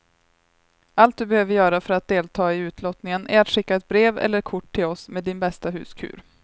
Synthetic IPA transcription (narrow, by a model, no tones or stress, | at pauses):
alt̪̚d̪ɵbɛhøːvəɾjœːɾafœɾat̪̚d̪eːlt̪ʰɑːɪʉ̟ːt̪ʰlɔt̪nɪŋənʔæɾat̪ɧɪkːaɛt̪̚bɾeːvɛ̰lːəɾkʰʊʈʰːɪlɔsmeːd̪ːɪnbɛst̪aɦʉ̟ːskʰʉ̰ːɾ